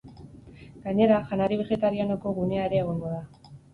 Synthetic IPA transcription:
ɡaɲe̞ɾaʝanaɾiβ̞e̞ɣe̞t̪aɾiano̞ko̞ɣune̞aeɾe̞ːɣ̞o̞ŋɡo̞ða

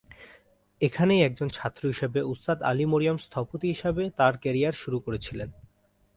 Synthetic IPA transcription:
ekʰanejɛk̚d͡ʑont͡ɕʰat̪ːɾoɦiʃebeust̪ad̪a̰limoɾiomst̪ʰapot̪iɦiʃabet̪aɾkɛɾijaɾʃuɾukoɾet͡ɕʰilen

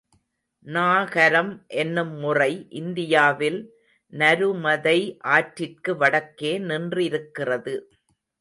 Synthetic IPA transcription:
naːɣɐɾɐmʔɛnːɯmːʊrɐɪʔɪnd̪ɪjaːʋɪl | nɐɾɯmɐðɐɪʔaːʈɾɪrkɯʋɐɽɐkːeːnɪndrɪɾɯkːɪrɐðɯ

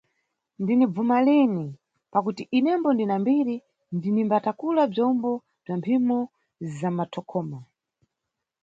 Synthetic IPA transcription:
ndinib͡vumalini | pakutiʔinɛmbɔndinambiɾi | ndinimbatakulab͡ʐɔmbɔ | b͡ʐampʰimɔ | zamatʰɔkʰɔːma

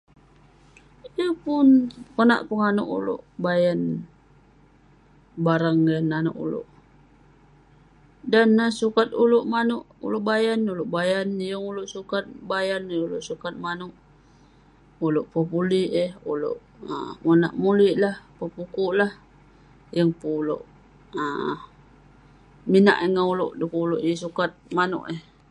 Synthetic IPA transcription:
ijəpʊnkəna̰ʔpəŋanṵʔṵlo̰ʔbajan | baɾaŋjanːanṵʔṵlo̰ʔ | danasukat̪uloʔmanʊʔṵloʔbajanuloʔbajanijəŋuloʔsukat̪̚bajanjŋuloʔsukat̪̚manuʔ | uloʔpəpuliʔəhulo̰ʔ | ə̰muna̰ʔmuliʔlahpəpukuʔlah | jəŋpulo̰ʔ | ə | mina̰ʔəŋauloʔdukuuloʔjəsukat̪̚mano̰ʔeh

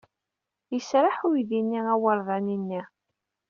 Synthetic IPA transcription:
jəsɾˤaħuðinːiæwəɾˤðˤɑninːi

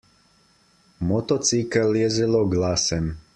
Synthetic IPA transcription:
mot̪ot̪sikaljezilˠoɡlasem

